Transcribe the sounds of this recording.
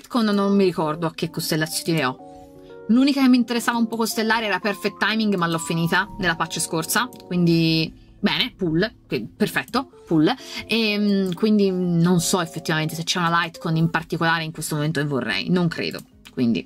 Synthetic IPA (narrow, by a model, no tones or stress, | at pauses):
ajt̪konːomːiɾikɔrd̪oak̟ːekːost̪elːat̪sjot̪oneɔ | luːnikakemːint̪eɾesːaːvaumpɔkost̪elːaːɾeɛːɾaperfet̪ːajmiŋɡmalːɔfːiniːt̪anelːapat͡ʃːeskorsakwind̪i | bɛːnepulkeperfɛt̪ːo | pulːɛmkwind̪inonsɔefːet̪ːivament̪es̬et͡ʃːɛunalajt̪konimpart̪ikolaːɾeiŋkwest̪omoment̪oevo̰rːɛ̰jnoŋkɾḛːd̪o̰ | kwḭnd̪ḭ